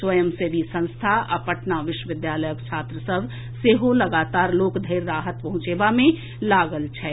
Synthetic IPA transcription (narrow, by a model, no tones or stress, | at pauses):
swəjəmsebʱisə̃ñst̪ʰaʔɐ̰pəʈnaʋɪʃwəʋɪd̪jaːləjəkt͡ʃʰaːt̪ɾəsəb | seːɦolɐɡaːt̪aːɾloːkd̪ʱəɪɾːaːɦət̪̚pɐɦʊ̃t͡ʃeːbamẽ | laːɡəlt͡ʃʰɛː